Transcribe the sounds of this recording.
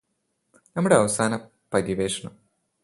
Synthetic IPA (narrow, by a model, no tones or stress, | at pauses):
nɐmːuɽeɐʋɐsaːnɐ | pɐɾiʋeːʂɐɳɐm